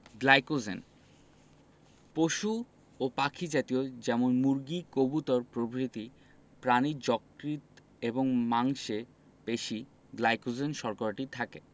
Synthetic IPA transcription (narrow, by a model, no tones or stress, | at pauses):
ɡlajkod͡ʑen | poʃu | opakʰid͡ʑat̪iod͡ʑɛmonmuɾɡikobut̪ɔɾpɾobʱɾit̪i | pɾanid͡ʑɔkɾit̪ | eboŋmaŋʃe | beʃi | ɡlajkod͡ʑenʃɔɾkaɾʈit̪ʰake